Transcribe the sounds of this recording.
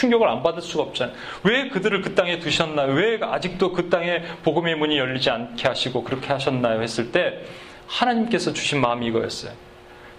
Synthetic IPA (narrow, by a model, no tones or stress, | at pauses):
t͡ɕʰuŋɡjʌɡɯɾa̰nbadɯɭs͈uɡaʌp̚t͡ɕ͈an | we̞kɯdɯɾɯɭkɯt͈aŋɦe̞tuɕʰʌnːajowe̞ad͡ʑik̚t͈okɯt͈aŋe̞poɡɯme̞muɲijʌʎːid͡ʑiankʰeɦaɕʰiɡokɯɾʌkʰe̞haɕʰʌnːajohe̞s͈ɯɭt͈e̞ | hanaɲimk͈e̞sʰʌt͡ɕuɕʰinmamiːɡʌjʌ̰s͈ʌjo